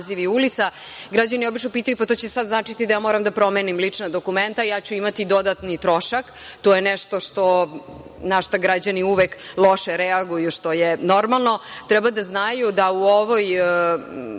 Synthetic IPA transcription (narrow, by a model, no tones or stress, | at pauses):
ziʋiulit̪sa | ɡɾad͡ʑanijeo̞bit͡ʃnopiːt̪ajupat̪ot͡ɕesad̪znaːt͡ʂit̪id̪ajaːmoːɾamd̪apɾo̞menimlit͡ʂnad̪o̞kument̪ajaːt͡ɕuimat̪id̪o̞d̪at̪nit̪ɾoʃak | t̪ojeneʃt̪o̞ʃt̪o | naʃt̪aɡɾad͡ʑaniuʋeklˠo̞ʃeɾɛaɡujuʃt̪o̞jeno̞ɾmalˠno̞t̪ɾɛbad̪aznajud̪auoʋoj